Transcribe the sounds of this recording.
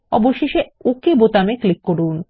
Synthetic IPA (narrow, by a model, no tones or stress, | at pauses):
ɔ̰boʃːeʃeokebot̪ameklikːoɽun